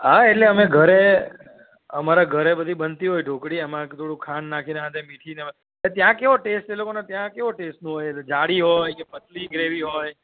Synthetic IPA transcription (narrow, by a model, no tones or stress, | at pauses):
ɦaeʈleəmeɡʱəɾe | əmaɾaɡʱəɾebəd̪ʱibənt̪iɦojɖʱokɽiemãt̪ʰoɽũkʰannakʰineɦãt̪ʰemiʈʰine | et̪jãkeʋoʈesʈelokonet̪jãkeʋoʈesʈnũɦojeed͡ʒaɽiɦojkepət̪liɡɾeʋiɦɔj